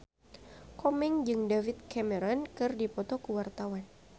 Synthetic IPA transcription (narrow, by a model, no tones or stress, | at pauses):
kɔmɛŋd͡ʒɨŋdavit̪̚kɛmɛɾɔnkɨrdipɔt̪ɔkəwart̪awan